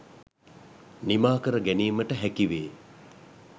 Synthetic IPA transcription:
nimaːkəɾəɡæniːməʈəɦækiʋeː

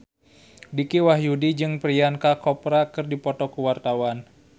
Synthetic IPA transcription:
dikiwaɦjudid͡ʒɨŋpɾiankakɔpɾakɨrdipɔt̪ɔkuwart̪awan

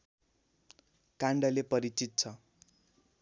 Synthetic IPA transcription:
kaɳɖʌlepʌɾit͡sit̪̚t͡sʰʌ

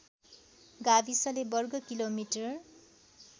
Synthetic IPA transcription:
ɡabisʌlebʌrɡʌkilomiʈʌr

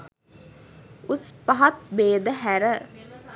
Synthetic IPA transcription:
uspɐɦat̪̚beːd̪əɦæɾə

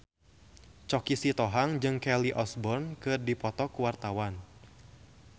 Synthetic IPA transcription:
t͡ʃɔkisit̪ɔɦaŋd͡ʒɨŋkɛliʔɔsbɔrnkɨrdipɔt̪ɔkuwart̪awan

